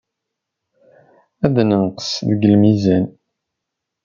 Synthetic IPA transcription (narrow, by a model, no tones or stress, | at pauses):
æðnənqə̥sðɡəlmizæn